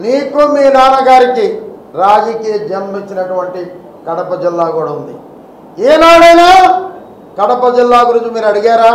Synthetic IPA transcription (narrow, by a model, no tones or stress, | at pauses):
niːkumiːnaːnɐɡaːɾikiɾaːd͡ʒɐkiːjɐd͡ʒɐmmit͡ʃːinɐʈuʋɐɳʈi | kɐɽɐpɐd͡ʒilːaːkuːɽɐund̪ḭ | eːnaːɽɐjnaː | kɐɽɐpɐd͡ʒilːaːɡuɾut͡ʃumiːɾɐɽiɡaːɾaː